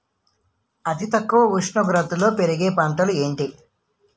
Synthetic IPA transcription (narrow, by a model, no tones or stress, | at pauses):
ɐt̪ʰit̪ɐkːuʋɐʋuʂɳɐɡɾɐt̪ulo̞ːpeɾiɡe̞ːpɐɳʈɐlueːɳʈi